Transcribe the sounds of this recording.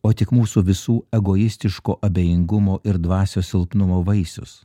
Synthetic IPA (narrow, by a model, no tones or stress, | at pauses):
oːt̪ʲɪkmuːsuʋʲɪsuːɛɡoːjɪsʲt̪ʲɪʃkoːʔɐbʲeːjɪŋɡʊmoːʔɪɾd̪ʋɑːsʲoːsʲɪlˠpnʊmoːʋɐɪsʲʊ̰s